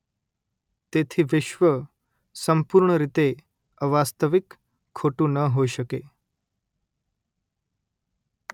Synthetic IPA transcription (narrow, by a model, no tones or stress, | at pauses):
t̪et̪ʰiːʋiʃʋə | səmpuɾɳəɾit̪e | əʋast̪əʋikʰː | oʈuːnəɦoiɕəke